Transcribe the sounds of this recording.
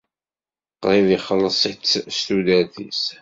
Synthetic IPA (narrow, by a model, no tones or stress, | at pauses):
qːɾˤiviχəlːəsˤitːst̪ud̪æθḭs